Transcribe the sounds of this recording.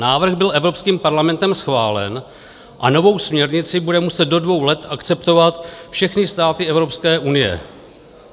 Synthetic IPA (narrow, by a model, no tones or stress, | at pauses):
naːvr̩ɣbɪlʔɛvɾo̞pskiːmpaɾlamɛnt̪ɛmsxvaːlɛ̰n | ʔano̞vo̞wsmɲɛɾɲɪt͡sɪbudɛmusɛt̪̚do̞dvo̞wlɛt̪ʔakt͡sɛpt̪o̞vat̪fʃɛxnɪst̪aːt̪ɪɛvɾopskɛːʔunɪjɛ̰